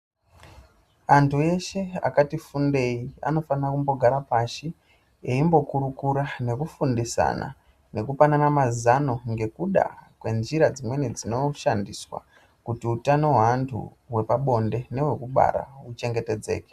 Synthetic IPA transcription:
antʰue̞ʃe̞a̰katifunde̞ia̰no̞fanakumbo̞ɡʱaɾapaʃi | eimbo̞kuɾukuɾane̞kufundisa̰na̰ | ne̞kupananamazano̞ŋɡe̞kuɗa̰kwe̞nʐiɾad͡zimwe̞nid͡zino̞ʃandiswa̰ | kutiutanoweantʰṵ | we̞paɓo̞nde̞ne̞we̞kuɓa̰ɾa̰ut͡ʃe̞ŋɡe̞te̞d͡zeːke̥

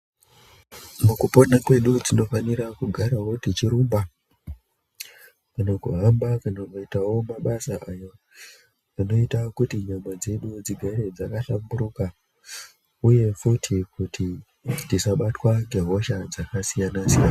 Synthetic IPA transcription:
mukupo̞nakwe̞ɗud͡zino̞faniɾakuɡʱaɾawo̞tit͡ʃiɾumba | kanakṵɦambakanakuitawo̞maɓasaʔajo | ano̞itakutiɲamad͡ze̞ɗud͡ziɡʱaɾe̞d͡zakaɬambuɾuka | uje̞futʰikuti | nisaɓatwaŋɡe̞ɦo̞ʃad͡zakasijanasijana

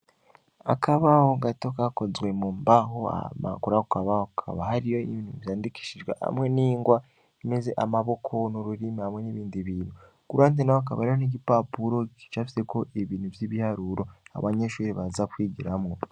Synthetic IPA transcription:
a̰kʰaβaho̞ɡato̞kaːko̞zwe̞muːmbaɦoa̰ma̰kuɾakukaβahokʰa̰βahaɾijo̞ḭβiːnuvjaːndiki̥ʃiʒɡwḛha̰mwe̞niːŋɡwa | ime̞ze̞ʔamaβo̞kʰo̞nuɾuɾimihamwe̞niβiːndiβiːnu | kuɾantenawokaβa̰aɾijoniɟipapuɾo̞ci̥t͡ʃaːfi̥se̞ko̞ʔeβiːn̥uvjiβihaɾuɾo̞a̰βaɲeʃuːɾiβazakwiːɟiɾamŋo

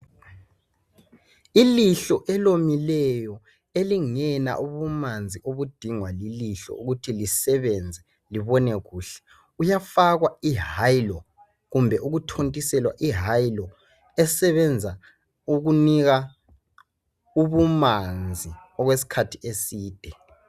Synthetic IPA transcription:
iliɬɔʔɛlomilɛjɔ | eliŋɛna̰ʔuβumand͡zʱiʔoβud̥ʱiŋwaliliɬɔ̰uɣutʰilisɛβɛnd͡zʱɛ | liβɔnɛɣuːɬɛ̥ | ujafaɣwaiɦajlɔ | ɣumbʱɛʔuɣutʰontʼisɛlwa̰ʔiɦajlɔ | ɛsɛβɛnd͡zʱa | uɣuniɣa | uβumand͡zʱiɔɣwesi̥kʰatʰiesiːd̥ʱɛ

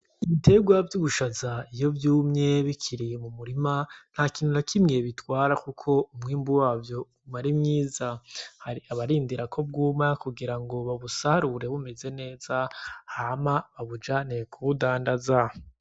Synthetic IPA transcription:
iβite̞ɡwavjuβuʃazaijo̞vjuːmɲe̞βikʰiɾijemumuɾiman̥haːkiːn̥unakʰimɲiβitwaːɾakukʰo̞umŋiːmbuwaːvjo̞ | maɾimŋiːzahaɾiaβaɾiːndiɾakʰo̞b̚ɡuːmakuɡiɾaŋɡo̞βaβusahaɾuɾe̞βume̞ze̞ne̞ːz̥ahamaβaβud͡ʒane̞kʰuβudaːndaza

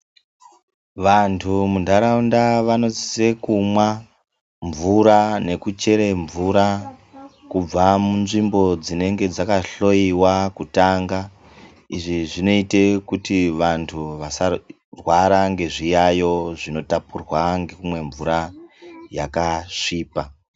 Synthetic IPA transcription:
ʋantʰumundʱaɾaundaʋano̞zi̥se̞kumwa | ɱvuɾane̞kut͡ʃe̞ɾeɱvuɾa | kub͡vamunʐimbo̞d͡zine̞ŋɡe̞d͡zakaɬo̞iwakutaŋɡa | iʐiʐino̞ite̞kutiʋantʰuʋasa | rwaɾaŋɡe̞ʐijajo̞ʐino̞tapurwaŋɡeumwe̞ɱvuɾa | jakaʂiːpa

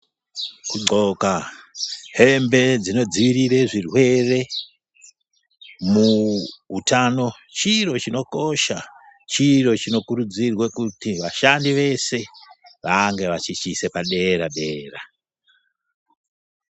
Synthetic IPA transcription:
kuŋ͡ǀo̞ka | ɦe̞mbe̞d͡zino̞d͡ziʋirireʐirwe̞re̞ | muutʰano̞ | t͡ʃiro̞t͡ʃino̞ko̞ʃa | t͡ʃiɾo̞t͡ʃino̞kuɾud͡zirwekutiʋaʃandiʋe̞se̞ʋaŋɡe̞ʋat͡ʃit͡ʃise̞paɗe̞ɾaɗe̞ːra

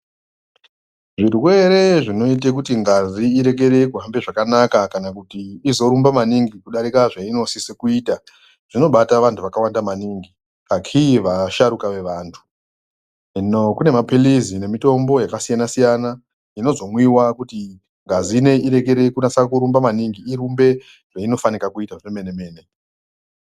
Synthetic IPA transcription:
ʐirwe̞ɾe̞ʐino̞itekutiŋɡaziiɾe̞k̬e̞ɾe̞kuɦambe̞ʐakanakakanakutiːzo̞ɾumbamaniŋɡikuɗaɾikaʐaino̞sisekuiːta | ʐ̥ino̞ɓataʋantʰuʋakawandamaniːŋɡi | akʰiʋaʃaɾukaʋe̞ʋaːntʰu̥ | nokune̞mapilizine̞mito̞mbo̞jakasijanasijana | ino̞zo̞mwiwakuti | ŋɡazine̞iɾe̞ke̞ɾe̞kunasakuɾumbamaniŋɡiiɾumbe̞ | ʐ̥aino̞fanikakuitaʐeme̞ne̞me̞ːne̞

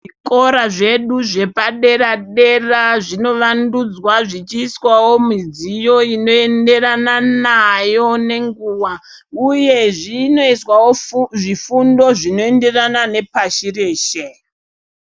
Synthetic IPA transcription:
ʐiko̞ɾaʐe̞ɗuʐe̞paɗe̞raɗe̞raʐino̞ʋandud͡zwaʐit͡ʃiːswawo̞mid͡zijo̞ino̞e̞nde̞rananajo̞ne̞ŋɡuwa | uje̞ʐino̞iswawoʐifundo̞ʐino̞ende̞ranane̞paʃireːʃe

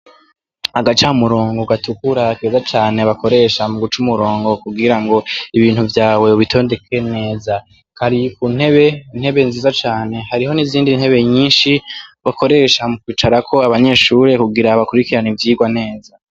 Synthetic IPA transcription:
aɡat͡ʃaumuɾo̞ːŋɡoɡatukuɾakezat͡ʃaːne̞βako̞ɾe̞ʃamuɡut͡ʃumuɾo̞ːŋɡo̞kubɡiɾaŋɡo̞iβiːnhuvjaːwe̞βitʰonde̞kʰe̞ne̞ːza | kaɾikun̥he̞βe̞in̥he̞βe̞nziːzat͡ʃaːne̞haɾiɦo̞niziːndinhe̞βe̞ɲiːnʃiβako̞ɾe̞ʃamukwiːt͡ʃaɾakʰo̞aβaɲe̞ʃuɾe̞kuɡiɾaβakuɾikiɾanivjiːɡwane̞ːza

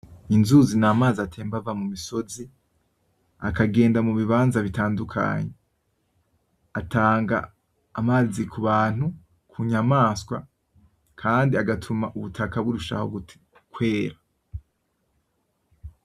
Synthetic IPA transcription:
inzuzinaːmaːzatʰeːmbavamumiso̞zi | akaɡe̞ːndamuβiβaːnzaβitaːndukʰa̰ɲe | atʰaːŋɡa̰ː | maːzikʰuβaːn̥hu | kʰuɲamaːskwa̰ | kʰaːndiaɡatʰumaʔuβutʰakaβuɾuʃa̰ho̞̰ | kwe̞ːɾa

